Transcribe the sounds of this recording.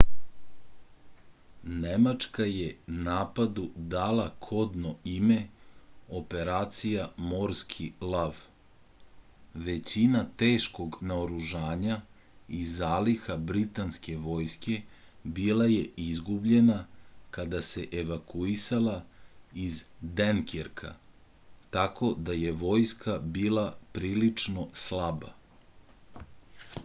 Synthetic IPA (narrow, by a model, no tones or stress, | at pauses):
nemat͡ʃkaje̞naːpad̪ud̪aːlˠakʰo̞d̪no̞ime̞ | o̞pe̞ɾaːt̪sijamo̞ɾskʰilˠaʋ | ʋe̞t͡ɕinat̪e̞ːʃko̞ɡnaoɾuʒaːɲa | izaːlixabɾit̪anske̞ʋo̞jske̞ | bilˠaje̞ʔizɡubʎe̞nakad̪ase̞ʔeʋakuisalˠaizd̪enkeɾkʰa̰ | t̪ako̞d̪aje̞ʋo̞jskʰabiːlˠapɾiːlit͡ʂno̞slˠaba̰